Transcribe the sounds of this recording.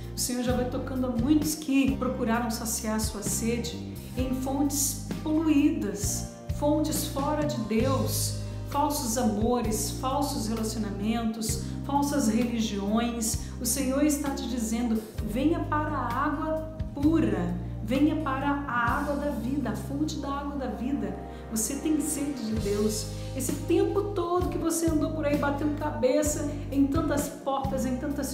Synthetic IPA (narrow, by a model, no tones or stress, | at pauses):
ʊsẽɲ̃oɾʒavajt̪okɐ̃nd̪ʊɐmũj̃t̪ʊ̥skʰɪpɾokuɾaɾɐ̃w̃sasiaɾɐsuɐsed͡ʒɪ | ẽj̃fõnt͡ʃɪ̥s | poluid̪ɐs | fõnt͡ʃɪsfɔɾɐd͡ʒɪd̪ews | fawsʊzamoɾɪsfawsʊshelasionamẽnt̪ʊs | fawsɐsheliʒiõj̃s | ʊsẽɲoɾɪst̪at͡ʃɪd͡ʒizẽnd̪ʊvẽɲɐpaɾɐːaɡwɐ | puɾɐ | vẽjɐpaɾɐːaɡwɐd̪ɐvid̪ɐafõt͡ʃɪd̪ɐaɡwɐd̪ɐvid̪ɐ | voset̪ẽj̃sed̪ʊd͡ʒɪd̪ews | esɪt̪ẽmpʊt̪od̪ʊkɪvoseɐ̃nd̪owpoɾaibat̪ẽwd̪kabesɐ | ẽj̃t̪ɐ̃nt̪ɐspɔɾt̪ɐzẽj̃t̪ɐ̃nt̪ɐs